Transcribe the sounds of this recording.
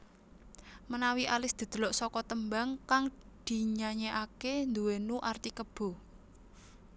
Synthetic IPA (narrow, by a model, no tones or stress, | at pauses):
mənawiʔalɪsd̪̥i̤d̪̥ə̤lɔʔsɔkɔt̪əmbaŋkaŋ | d̪̥i̤ɲaɲeʔakend̪uwenuʔart̪ikəb̥o̤